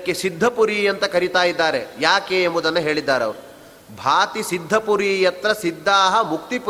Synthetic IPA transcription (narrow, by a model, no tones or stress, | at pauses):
kːesid̪ʱːɐpuɾiːjɐnt̪ɐkɐɾit̪aːjid̪ːaːɾejaːkeːmbɔd̪ɐnːɐɦe̞ːɭid̪ːaːɾeɐ̰ʋɐɾu | bʱaːt̪isid̪ʱːɐpuɾiːjɐt̪ɾɐsid̪ʱːaːɦɐmuk̚t̪ip